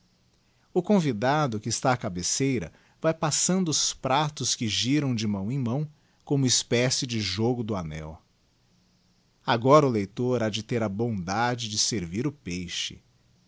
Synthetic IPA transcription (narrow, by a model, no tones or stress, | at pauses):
ʊkõvid̪ad̪ʊkɪːst̪aːkabesejɾɐ̰ | vajpasɐ̃nd̪ʊʊspɾat̪ʊskɪʒiɾɐ̃w̃d͡ʒɪmɐ̃w̃ẽj̃mɐ̃w̃ | kõmʊɪspɛsɪd͡ʒɪʒoɡʊd̪ʊanɛ̰w | aɡɔɾɐʊlejt̪oɾad͡ʒɪt̪eɾɐbõd̪ad͡ʒɪd͡ʒɪseɾviɾʊpejʃɪ̰